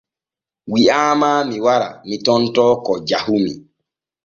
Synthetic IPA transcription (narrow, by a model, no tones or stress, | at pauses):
wiaːmaːmiwaɾa̰mitɔntɔːkɔd͡ʒahumḭ